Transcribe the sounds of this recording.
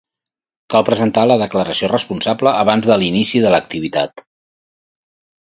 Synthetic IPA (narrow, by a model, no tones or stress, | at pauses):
kalˠpɾəzənt̪aləðəkləɾəsiorəspunsabləːβanzðəlinisiðələk̚t̪iβit̪a̰t̪